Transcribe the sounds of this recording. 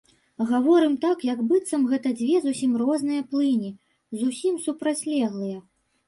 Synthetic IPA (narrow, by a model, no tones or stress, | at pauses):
ɣavɔɾɨmt̪akjɐɡbɨt̪sɐmɣɛt̪ɐd͡zʲvʲɛzusʲimrɔznɨjɐplˠɨnʲi | zusʲimsupɾat͡sʲlʲɛɣlˠɨjɐ